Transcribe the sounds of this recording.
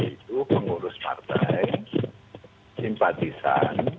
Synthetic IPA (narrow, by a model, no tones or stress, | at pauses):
it̪upəŋuɾʊspa̰rt̪aj | simpat̪isa̰n